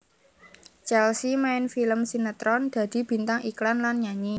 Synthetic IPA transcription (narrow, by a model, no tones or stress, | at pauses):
t͡ʃɛlsimaɪnfiləmsinət̪ɾɔnd̪̥ä̤d̪̥i̤b̥i̤nt̪aŋiklanlanɲaɲi